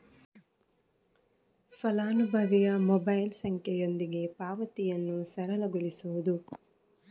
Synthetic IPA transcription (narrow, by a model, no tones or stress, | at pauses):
fɐlaːnubʱɐʋijɐmɔbɐjlsɐŋkʰjɛjo̞nd̪iɡe̞paːʋɐt̪ijɐnːusɐɾɐlɐɡuɭisuʋud̪u